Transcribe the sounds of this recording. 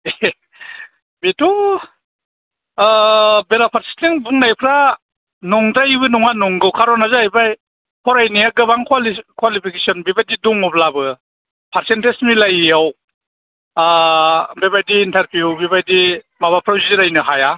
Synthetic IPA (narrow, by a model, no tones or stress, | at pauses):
betu | beɾapʰaɾsi̥tiŋbuŋnajpʰɾa | nɔŋdajbɯnɔŋanɔŋɡɯwkʰaɾɔnazajbaj | pʰɔɾajnijaɡɯbaŋkʰwalikwalipʰikesɔnbebajdiduŋɔplabɯ | pʰaɾsentesmilajaw | bebajdiːntaɾpʰijubibajdi | maβapʰɾawzidiɾajnɯɦaja